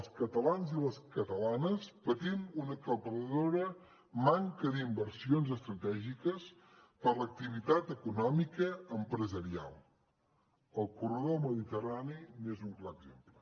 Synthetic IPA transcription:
əlˠskət̪əlanziləskət̪əlanəspət̪imunəkəlˠpərəðoɾə | maŋkəðimbəɾsionzəst̪ɾət̪ɛʒikəs | pəɾlək̚t̪iβ̞it̪at̪əkunɔmikəːmpɾəzəɾia̰lˠ | əlˠkurəðoməðit̪əraninezuŋklaəɡzemplə

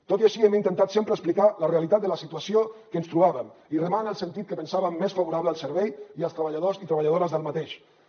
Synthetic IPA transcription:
t̪ot̪iaʃiɛmint̪ənt̪at̪sempɾəsplikaləreəlit̪at̪̚d̪ələsit̪uasiokənst̪ɾuβaβəmirəmanəlˠsənt̪it̪̚kəpənsaβəmːesfaβuɾaβləːlˠsəɾβɛjiəlˠst̪ɾəβəʎaðozit̪ɾəβaʎaðoɾəzðəlˠmat̪eʃ

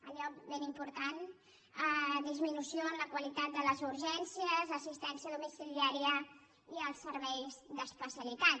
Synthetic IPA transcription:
əʎɔbenimpuɾt̪an | əðizminusijoəmləkwəlit̪at̪̚d̪ələzuɾʒɛnsijəzəsist̪ɛnsijəðumisiliaɾiə | iəlˠsːəɾβɛjzd̪əspəsjəlit̪at̪

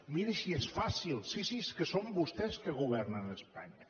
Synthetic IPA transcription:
miɾəʃiɛsfasilˠsisiskəsombust̪ɛskəɣuβ̞ɛrnənəspa̰ɲə

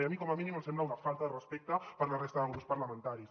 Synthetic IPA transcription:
eamikɔmaminĩməmsɛmblaunafalˠt̪aðərəspɛk̚t̪əpəɾlarest̪aðəɣɾupspɐɾlamə̃nt̪aɾis

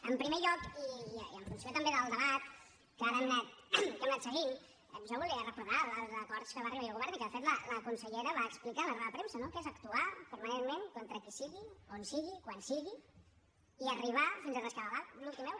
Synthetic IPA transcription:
əmpɾimeʎɔkiiiəɱfunsiot̪əmbeðəlˠd̪əβat̪̚ | kəaðəmnɛt̪̚kəmnɛt̪səɣi | puʒaβulˠiərəpɾuðaləlˠzəkɔɾt̪skəβariβaiolɣuβɛɾnikəðəfet̪lələkunsəʎɛɾəβaəksplikaləneβəpɾemsənokezəkt̪uapəɾmənenmenkont̪ɾəkisiɣionsiɣikwansiɣiː | əriβ̞afinzərəskəβaðallulˠt̪imɛw

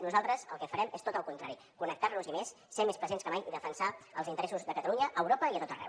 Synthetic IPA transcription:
nuzalˠt̪ɾəzəlˠkɛfəɾɛmest̪ot̪əlˠkunt̪ɾa̰ɾi | kunək̚t̪arnuzimesːemespɾəzenskəmajiðəfənsaəlˠzint̪ɾɛsuzðəkət̪əluɲəʔəwɾopəiət̪ot̪ərɛ̰w

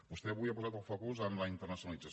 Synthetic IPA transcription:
bust̪ɛβuiəpuzat̪əlˠfokuzənləint̪ərnəsiunəlid͡zəs

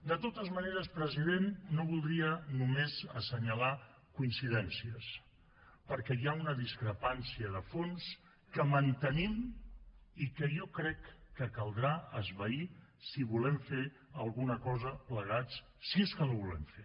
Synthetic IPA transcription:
d̪ət̪ot̪əzməneɾəspɾəziðenːoβ̞ulˠd̪ɾiənumezəsəɲəla | kuinsiðɛnsiəs | pəɾkɛjaunəðiskɾəpansiəðəfons | kəmənt̪ənim | ikəjɔkɾɛkːəkəlˠd̪ɾaəzβəisiβulɛmfe | əlˠɣunəkɔzəpləɣ̞at͡s | sieskəlaβulɛ̰mfe

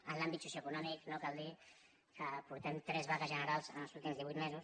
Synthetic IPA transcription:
ənlambit̪susjoəkunɔmiknokald̪i | kəpuɾt̪ɛmt̪ɾɛzβaɣəzʒənəɾalˠzənəlˠzulˠt̪imzðiβuit̪mɛzus

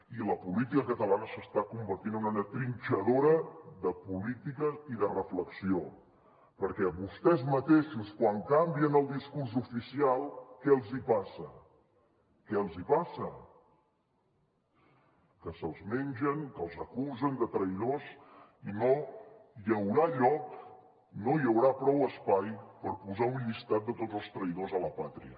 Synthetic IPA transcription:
iləpulit̪ikəkət̪əlanəsəst̪akumbəɾt̪inunanət̪ɾint͡ʃəðoɾəðəpulit̪ikəiðərəfləksio | pəɾkɛβust̪ɛzmət̪eʃuskwaŋkambiənəlˠd̪iskurs̬ufisialˠkɛəlˠzipasə | kɛəlˠzipasə | kəsəlˠzmeɲʲʒəŋkəlˠzəkuzənd̪ət̪ɾəið̞osinojəwɾaʎɔk | nojəwɾapɾɔwəspajpəɾpuzaunʎist̪at̪̚ət̪odzəlˠst̪ɾəiðozələpat̪ɾiə̰

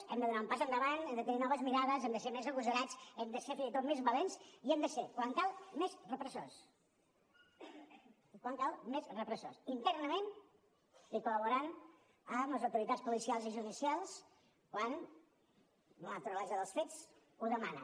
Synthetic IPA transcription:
ɛmd̪əðunaumpazənd̪əβanɛmd̪ət̪əninɔβəzmiɾaðəzɛmd̪əseɾmezəɣuzəɾat͡sɛmd̪əseɾfinzit̪ot̪mezβəlensiɛmd̪əsekwaŋkalˠmezrəpɾəsos | ikwaŋkalˠmezrəpɾəsosint̪ɛɾnəmen | ikuləβuɾan | əmləzəwt̪uɾit̪at͡sspulisialˠziʒuðisialˠs | kwan | lət̪ɾulɛzəðəlˠsfet͡s | uðəmanə̰

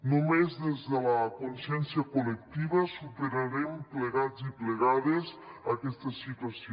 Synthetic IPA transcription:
nomezðezelakonsjɛnsjakolek̚t̪iβasupeɾaɾempleɣad̪zipleɣaðesakest̪asit̪was

